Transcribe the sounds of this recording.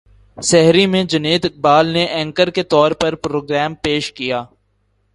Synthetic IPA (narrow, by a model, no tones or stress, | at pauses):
sɛɦɾimẽd͡ʒɐneːd̪ɪk̚baːlneʔɛ̃ːŋkəɾket̪ɔːɾpɐɾpɾoːɡɾɛːmpeːʃkijaː